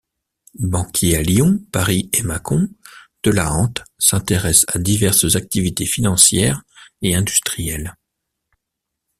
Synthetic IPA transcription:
bɑ̃kʲʰealjɔ̃paʁiemakɔ̃d̪̥əlaɑ̃t̪sɛ̃t̪eʁɛsad̪ivɛʁszak̚t̪ivit̪efinɑ̃sjɛːʁeɛ̃d̪yst̪χijɛl

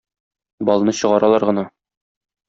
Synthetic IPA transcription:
bɒl̆ˠnɤɕɤ̆ʁɑɾɑlˠɑɾʁɤ̆nɑ

